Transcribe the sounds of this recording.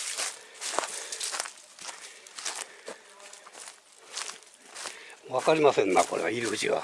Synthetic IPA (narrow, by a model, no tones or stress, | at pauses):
βakaɾʲimasẽnːako̞ɾeβa̰iɾɯhɯt͡ɕiɡa̰